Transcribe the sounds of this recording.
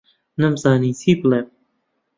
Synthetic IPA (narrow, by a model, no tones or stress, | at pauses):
nɨmzaːniːt͡sʰiːbleːm̚